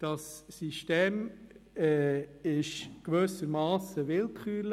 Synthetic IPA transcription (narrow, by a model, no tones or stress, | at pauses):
d̥ɑsːiʃteːmɛɪʃɡ̥vøːsəɾmɑːsəʋɪlkʰχyːl